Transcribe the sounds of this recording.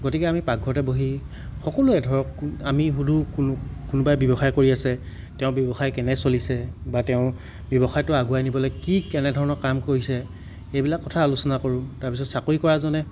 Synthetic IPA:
ɡotikɛamipaɡʱɔtɛboɦi | xɔkɔlʊɛdʱɔɹɔkamiɦudʱuknkʊnʊbajbjɔbɔxajkoɹiasɛ | tɛʊ̃bjɔbɔxajkɛnɛsolisɛbatɛʊ̃ | bjɔbɔxajtʊaɡuajnibɔlɔjkikɛnɛdʱɔɹɔnɔkamkoɹisɛ | ejbilakːɔtʰaːlusɔnakoɹʊ̃taɹpisɔtsakoikɔɹazɔnɛ

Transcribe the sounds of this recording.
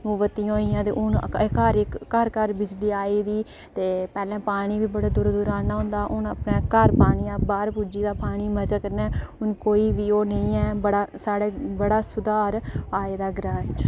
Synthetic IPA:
nũːʋət̪ijãɦoːiːãːt̪ḛːʔʊnkəɾɪkːəɾkəɾbɪd͡ʒliːaːiːd̪iː | t̪eːpɛːlɛ̃ːpaːɽ̃iːʋiːbəɽaːd̪ʊɾd̪ʊɾaːnaːɦʊ̃ːnd̪aːʔʊnəpnãːkəɾpaːɽ̃ijãːbaːɾpud͡ʒiːd̪aːpaːɽ̃iːməd͡ʒaːkəɾnɛːʊnkoːiːʋiːoːnəĩːɛːbəɽaːsaːɽeːbəɽaːsʊd̪aːɾaːeːd̪aːɡɾãːt͡ʃ

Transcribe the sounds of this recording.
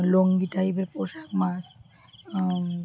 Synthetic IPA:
loŋɡiʈajbeɾpoʃakmas

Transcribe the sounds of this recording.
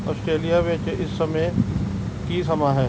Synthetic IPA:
ɔ̰ːsʈɾeːlijaʋeːt͡ʃeʔɪsːɐme | kisɐmaɦɛː

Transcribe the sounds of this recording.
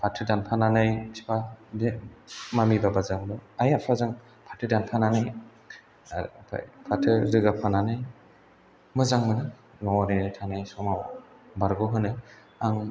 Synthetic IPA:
pʰatʰɯdanpʰananajsʰi̥pʰad | mamibabazaŋlɔajapʰazaŋ | pʰatʰɯdanpʰananaj | pʰa̰pʰatʰɯɾɯɡapʰananaj | mɯzaŋmɯnɯ | nɔwaninatʰanajsɔmaw | baɾɡɔɦɯnɯ | aŋ

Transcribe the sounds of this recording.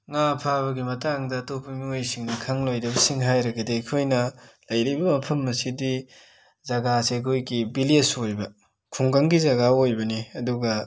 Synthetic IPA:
ŋapʰaβɐɡimɐtaŋdɐtopʰɐmiojsiŋnɐkʰɐŋlojɾɐbɐsiŋɦajɾɐɡɐdekʰojnɐlɐjɾibɐmɐpʰɐmːɐsidi | zɐɡaseɐkʰojɡibilesojbɐ | kʰuŋɡɐŋɡizɐɡaojbɐniɐduɡɐ

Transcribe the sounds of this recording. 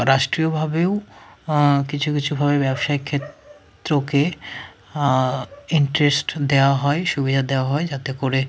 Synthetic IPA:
ɾaʃʈɾiobʱabeo | kit͡ɕʰukit͡ɕʰubʱabebɛbʃaekʰːet̪ː | ɾoke | iɳʈɾesʈd̪eoaɦɔeʃubid̪ʱad̪eoaɦɔed͡ʑat̪ekoɾe

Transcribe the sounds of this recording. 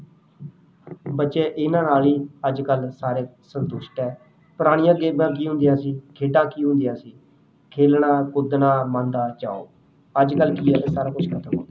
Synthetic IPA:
bətːʃeːʔɪnãːnaːliːəd͡ʒkəlsaːɾeːsənt̪ʊʃʈɛː | pʊɾaːɽ̃ɪjãːɡeːbãːk̬iːɦʊ̃nd̪ijãːsiːkʰeːɖãːkiːɦʊ̃nd̪ɪjãːsiː | kʰeːlɳãːkʊd̪nãːmə̃nd̪aːt͡ʃa̰ːo̰ː | əd͡ʒkəlkiːɛːt̪eːsaːɾaːkʊt͡ʃʰkʰət̪ʰəmɦo̰ː

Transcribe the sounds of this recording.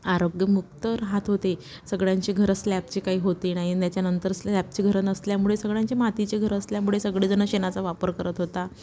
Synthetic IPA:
aɾoɡjəmukt̪əɾɦat̪ɦot̪e | səɡɭjãɲt͡ɕiːɡʱəɾslæp̚t͡ɕikaɦiːɦot̪inaɦit̪jat͡ɕjanənt̪əɾslæp̚t͡ɕiːɡʱəɾənəsljamuɭesəɡɭjãɲt͡ɕemat̪it͡ɕeɡʱəɾəsljamuɭesəɡɭed͡zənəɕenat͡saʋapəɾkəɾət̪ɦot̪a

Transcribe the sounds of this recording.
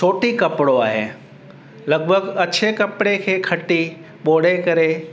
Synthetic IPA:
t͡ʃʰoːʈikɐpɪɽoaːɦḛː | lɐɡ̚bʱəɡɐt͡ɕʰekɐpɪɽekʰeːkʰɐʈi | ɓoːɽekɐɾe

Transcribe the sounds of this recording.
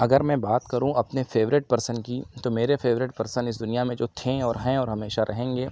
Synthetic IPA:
ɐɡəɾmɛ̃baːt̪kɐɾũɐpnefeːʋɾɪʈ̚pɐɾsənkit̪omeːɾefeːʋɾɪʈ̚pɐɾsə̃nɪs̬d̪ʊnijamẽd͡ʒoːt̪ʰeɔːɾɦɛ̃ɔːɾɦɐmeːʃaɾʔɐɦẽːŋɡeː

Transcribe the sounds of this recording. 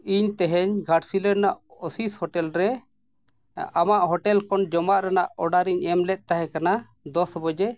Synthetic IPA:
iɲt̪ɛɦɛɲɡʱaʈsilɛɾnaʔɔsishɔʈɛlɾɛ | amaʔɦɔʈɛlkɔnd͡ʒɔmaʔɾɛnaʔɔɖaɾiɲɛmlɛʔ̪̚ˀt̪aɦɛkana | d̪ɔsbɔd͡ʒɛ

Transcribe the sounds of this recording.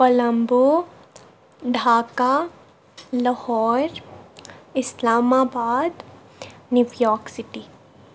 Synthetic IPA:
pɐlɐmbo | ɖʱaːka | ləhɔːɾ | ɪslaːmaːbaːd̪ | njuʋjɔːksɪʈi

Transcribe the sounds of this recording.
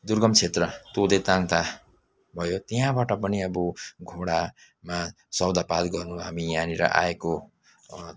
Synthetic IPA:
d̪urɡʌmt͡sʰet̪rʌt̪od̪et̪ãŋt̪a | bʱʌjot̪eɦãbaʈʌpʌniʌbuɡʱoɽa | ma | sʌwd̪ʱapad̪ɡʌrnuɦamijaniɾʌ̰ʔa̰eko

